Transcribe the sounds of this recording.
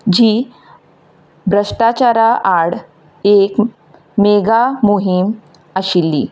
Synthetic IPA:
d͡ʑiː | bɾəʂʈat͡ɕaɾaʔaɽ | ek | meɡamuɦim | əɕilːḭː

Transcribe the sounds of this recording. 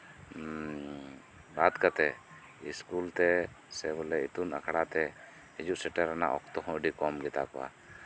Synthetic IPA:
ɾat̪kat̪ɛ | iskult̪ɛ | sɛbɔlɛit̪una̰kʰɽat̪ɛ | ɛd͡ʒuʔsɛʈɛɾana̰ʔɔkt̪ɔɦɔ̃əɖikɔmɡɛt̪a̰kɔwa̰

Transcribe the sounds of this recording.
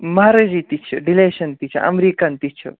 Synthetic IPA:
mɐɦaɾɐd͡ʒit̪it͡ʃʰɐɖileːʃɐnt̪it͡ʃʰɐ̰ʔɐ̰mɾikant̪it͡ʃʰɐ̰

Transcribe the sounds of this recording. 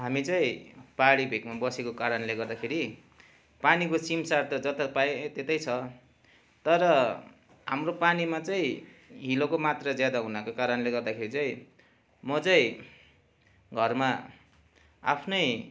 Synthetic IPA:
ɦamit͡saĩpaɽibʱekmabʌsekokaɾʌnleɡʌrd̪akʰeɾi | panikosimsart̪ʌd͡zʌt̪ʌpaet̪et̪ʌjt͡sʰʌ | t̪ʌɾʌ | ɦamropanimat͡saĩɦilokomat̪rʌd͡zjad̪aɦunakokaɾʌnleɡʌrd̪akʰeɾit͡saĩ | mʌt͡saĩ | ɡʱʌrma | a̰pʰnʌj

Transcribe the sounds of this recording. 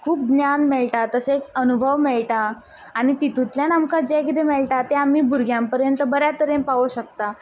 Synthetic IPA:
kʰuːp̚ɡnjanmeɭʈat̪əset͡sənubʱəʋmeɭʈaː | ɽ̃it̪it̪ũt̪ljanamkad͡ʑekit̪emeɭʈat̪eam̤iːbʱuɾɡʱjãmpəɾjənt̪əbəɾjat̪əɾenpaʋuɕək̚t̪a

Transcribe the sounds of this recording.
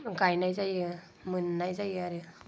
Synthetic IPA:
ɡajnajzajɯ | mɯnːajzajaɾɯ

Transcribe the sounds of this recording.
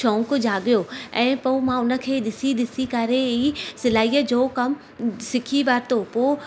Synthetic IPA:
ʃʰõːŋkd͡ʑaːɠɪjoɛ̃ːpoumãʊnə̆kʰeːɗɪsiɗ̪ɪsikɐɾeisɪlaːijəd͡ʑoːkɐm | sɪkʰiʋaːɾt̪opoː

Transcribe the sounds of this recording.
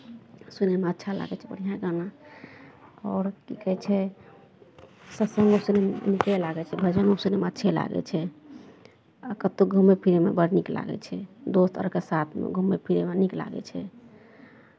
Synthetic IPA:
sunemeətːʃʰala̰ɡɛt͡ʃʰɛbəɽ̤ijãɡana | ɔːɾkikəɦɛt͡ʃʰɛ | səsəŋɡosunemnikɛlaɡɛt͡ʃʰɛbʱəd͡ʒənosunemeətːʃʰɛla̰ɡɛ̰t͡ʃʰɛ | akət̪oɡʱumːepʰiɾemebəɽnikla̰ɡɛ̰t͡ʃʰɛd̪ost̪ʰɔ̰ɾkesat̪ʰmḛɡʱumːepʰiɾemenikla̰ɡɛ̰t͡ʃʰɛ

